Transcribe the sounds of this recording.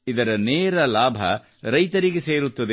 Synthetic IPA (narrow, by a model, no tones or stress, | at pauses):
id̪ɐɾɐneːɾɐlaːbʱɐ̰ | ɾɐjt̪ɐɾiɡese̞ːɾut̪ːɐd̪e